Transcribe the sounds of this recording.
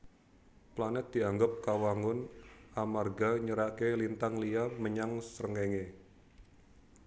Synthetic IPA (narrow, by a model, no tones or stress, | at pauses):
planɛt̪̚d̪̥iaŋɡap̚kawaŋʊnʔamarɡaɲəɾakelint̪aŋliaməɲaŋsəɾəŋeŋe